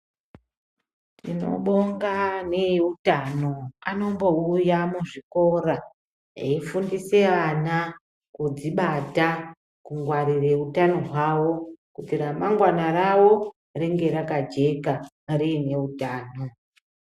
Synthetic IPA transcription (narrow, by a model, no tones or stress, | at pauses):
tino̞̰ɓo̞ŋɡaneutano̞ano̞mbo̞ujamuʐiko̞ɾa | eifundise̞ʋana | kud͡ziɓata | kuŋɡwaɾire̞utano̞ɦwawo̞kutiramaŋɡwanarawo̞ | reŋɡe̞ɾakad͡ʒe̞ka | riːne̞utaːno̞